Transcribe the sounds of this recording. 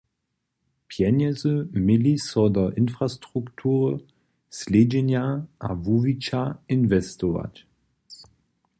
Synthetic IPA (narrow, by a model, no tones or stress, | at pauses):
pʰjɛnɛzəmɪlisɔdɐʔɪnfʁ̥astʁ̥uktʰuːʁə | sleːd͡ʒenjaʔavuvit͡ʃaɪnvɛstɔva̰t